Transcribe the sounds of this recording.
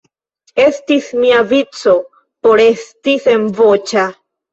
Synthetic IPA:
est̪ismiavit͡so | poɾest̪isemvot͡ʃa

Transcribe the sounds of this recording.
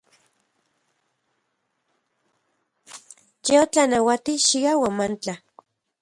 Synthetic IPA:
jeot͡ɬanawat̪iʃiɡawamant͡ɬa

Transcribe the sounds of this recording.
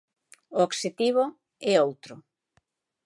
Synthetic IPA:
ʊokset̪iβ̞o | ɛowt̪ɾʊ

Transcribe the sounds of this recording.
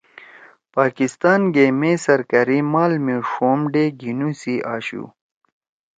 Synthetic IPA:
paːkist̪aːnɡeːmesɐɾkɐɾimaːlmeʂoːmɖeːɡinusiʔaːɕṵ

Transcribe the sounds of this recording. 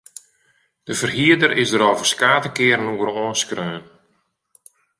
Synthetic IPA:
d̥əvərhiədərɪsdəɾoːvərskaːtəkɪːəɾənuəɾoːnskrøːn

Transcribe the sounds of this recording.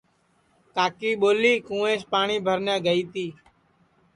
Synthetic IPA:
kaːkiːɓoːliːkũːẽːspaːɳiːbʱəɾnjãːɡəiːt̪iː

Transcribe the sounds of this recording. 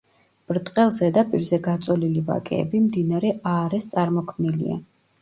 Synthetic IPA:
b̥ɾt̪ʼqʼɛlˠzɛd̪apʼiɾzɛɡat̪sʼɔliliva̰kʼɛ̰ːbimd̪inaɾɛaːɾɛst̪sʼaɾmɔkʰmnilḭa̰

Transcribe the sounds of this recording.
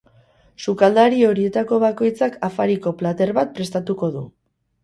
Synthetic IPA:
sukald̪aɾio̞ɾie̞t̪ako̞β̞ako̞jt͡sakafaɾiko̞plat̪e̞ɾβat̪̚pɾe̞st̪at̪uko̞ðu

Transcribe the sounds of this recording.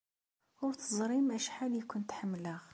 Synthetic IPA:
t̪əzˤɾimʔæʃħaljkʊnt̪ħəmːləʁ

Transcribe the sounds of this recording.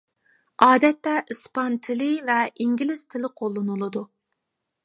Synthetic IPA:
ɑːd̪ɛt̪ːɛʔɨspɑnt̪ʰɪlɪvɛʔiŋɡʲilɪz̥t̪ʰɪlɪqʰolˠːɨnɨlˠɨd̪u

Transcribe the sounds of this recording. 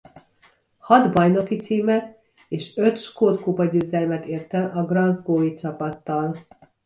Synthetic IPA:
hɒd̪bɒjno̞kit̪siːmɛt̪ | eːʃøt̪ʃkoːt̪kubɒɟøːzɛlmɛt̪eːrt̪ɛʔɒɡrɒzɡoːit͡ʃɒpɒt̪ːɒl

